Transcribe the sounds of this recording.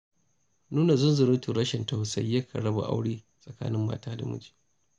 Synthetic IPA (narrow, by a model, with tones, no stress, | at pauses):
nuː˦na˨zʊ˦nzʊ˨ɾʊ˦tu˨ɾɐ˦ʃɛ˨nta˨sɐ̰˦jːɐ˦kʰɐ˨ɽɐ˦ba̰˨ʔa̰˦wɽiː˦ | sʼɐ˨ka̰ː˦nɪ˦mːa̰ː˦taː˦da̰˨mʊ̰˦d͡ʒi̥ː˨